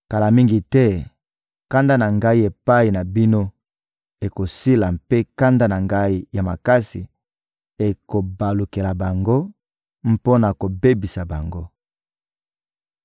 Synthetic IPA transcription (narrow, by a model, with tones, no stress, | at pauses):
ka˨la˨mi˦ŋɡi˨tɛ˦ | ka˦nda˦na˨ŋɡa˦i˦e˨pa˦i˨na˨bi˦no˦ | e˨ko˨si˦la˨mpe˦ka˦nda˦na˨ŋɡa˦i˦ja˨ma˨ka˦si˨ | e˨ko˨ba˨lu˨ke˨la˨ba˨ŋɡo˦ | m̩˦po˦na˨ko˨be˦bi˨sa˨ba˨ŋɡo˦